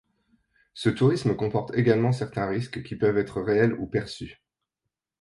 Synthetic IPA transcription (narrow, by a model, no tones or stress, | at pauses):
sət̪uʁisməkɔ̃pɔʁt̪eɡalmɑ̃sɛʁt̪ɛ̃ʁiskkʲipœvɛt̪χəʁeɛlupɛʁsy